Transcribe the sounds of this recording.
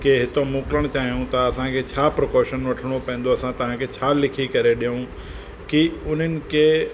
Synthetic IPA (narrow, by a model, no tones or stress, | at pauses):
keɦɪt̪omʊːkɪləɽ̃t͡ɕaːɦijũt̪ɐːsãkʰet͡ɕʰaːpɾokoːʃənʋɐʈʰɽ̃opɛ̃ːn̆d̪oɐsãt̪ɐʋ̤ãkʰet͡ɕʰaːlɪkʰikɐɾeɗijũ | kiʊn̤ənɪ̆kʰe